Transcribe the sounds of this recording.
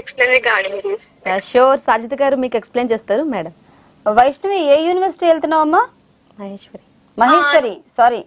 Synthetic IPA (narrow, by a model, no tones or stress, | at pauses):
ekspleːniɡaːɽii | ʃoːɾsaːd͡ʒʱɐt̪ikaːɾumiːkuekspleːnt͡ʃeːst̪aːɾumɛːɽɐm | ʋɐjʂnɐʋieːjuːniʋɐɾsi̥ʈiːelt̪̬unːaːwɐmːaː | mɐɦeːʃʋɐɾi | mɐɦeːʃʋɐɾisaːɾi